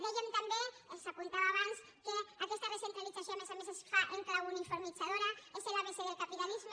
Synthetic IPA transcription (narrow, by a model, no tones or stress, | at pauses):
d̪eʝemt̪ambeesakunt̪awaβans | keakest̪aresent̪ɾalisasjonesamesesaʔeŋklawunifoɾmisaðoɾaeselaβeseðelkapit̪alizm